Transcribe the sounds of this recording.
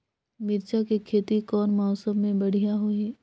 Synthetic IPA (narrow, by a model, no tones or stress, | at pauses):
mɪɾt͡ʃakikʰeːt̪ikɔːnmɔːsəbmẽbɐɽ̤ijaɦoiː